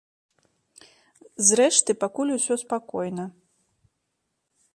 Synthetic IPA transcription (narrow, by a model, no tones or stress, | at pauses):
zɾɛʂt̪ɨpakulʲusʲɔspakɔjnɐ